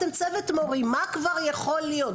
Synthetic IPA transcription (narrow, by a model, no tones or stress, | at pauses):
emt͡sevetmoʁimakvaʁjaχolːijo